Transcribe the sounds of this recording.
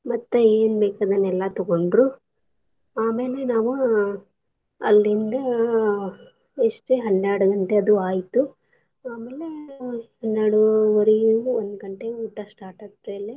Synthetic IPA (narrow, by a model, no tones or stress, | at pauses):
mɐt̪ːueːnbɛːkaːd̪ɐnɛlːat̪ɔɡoɳɖɾu | aːmeːle̞naːʋu | ɐ̰lːɾind̪ɐ | eʂʈeɦɐnːaːɽuɡɐɳʈeɐd̪uaːjt̪u | aːmeːlehɐnːaːɽuoɾiond̪uɡɐɳʈeuːʈːasʈaːɾʈɐsɾeːle